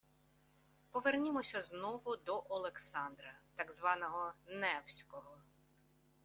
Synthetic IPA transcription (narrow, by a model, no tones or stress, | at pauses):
pɔʋernʲimɔsʲɐznɔʋʊd̪ɔʔɔlˠeksɑnd̪ɾɐt̪ɑɡzʋɑnɔɦɔnɛwsʲkɔɦɔ